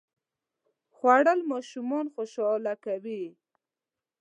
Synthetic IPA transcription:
xwaɽəlmɑʃumɑnxoʃɑlakawi

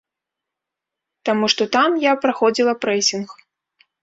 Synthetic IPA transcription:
t̪amuʂt̪ɔt̪amjapɾaxɔd͡zʲilˠɐpɾɛsʲinx

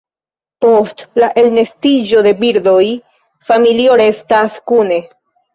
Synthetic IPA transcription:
po̞stlaʔe̞lne̞stid͡ʒo̞de̞biɾdo̞j | familio̞ɾe̞staskune̞

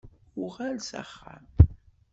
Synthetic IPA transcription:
ʊʁalsa̰χːa̰m

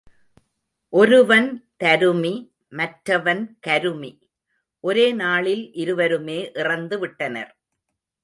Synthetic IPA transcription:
ʔɔɾɯʋɐnt̪ɐɾɯmi | mɐʈɾɐʋɐnkɐɾɯmi | ʔɔɾeːnaːɭɪlʔɪɾɯʋɐɾɯmeːʔɪrɐnd̪ɯʋɪʈːɐnɐ̰ɾ

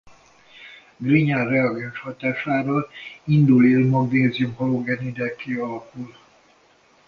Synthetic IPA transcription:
ɡriɲarrɛɒɡɛnʃhɒt̪aːʃaːɾoind̪ulilmɔɡneːziumholoɡɛnid̪ɛkʰeːɒlɒkul

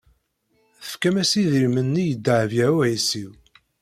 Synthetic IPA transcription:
θəfkæmæsiðilmənːijəd̪ːəʕvjæɾʊʕisiw

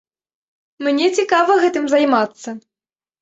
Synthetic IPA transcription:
mnʲɛt͡sʲikavɐɣɛt̪ɨmzɐjmat̪sːɐ

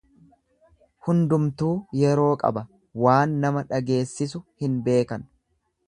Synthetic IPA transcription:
hʊnd̪ʊmt̪uːjɛɾo̞ːkʼɐ̰bɐ | waːnːɐmɐᶑɐɡe̞ːsːɪs̬ʊhɪnbe̞ːkɐn

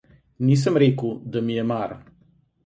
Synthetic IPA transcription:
niːs̬əmɾeːkuwd̪amijɛmaɾ

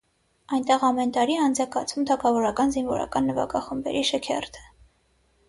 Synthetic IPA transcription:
ɑjnt̪ɛʁɑmɛnt̪ɑɾiɛɑnd͡zɑkɑt͡sʰumt̪ʰɑkʰɑvɔɾɑkɑnzinvɔ̰ɾɑ̰kɑnːəvɑ̰kɑχəmbɛ̰ɾiʃəkʰɛ̰rt̪ʰə̥

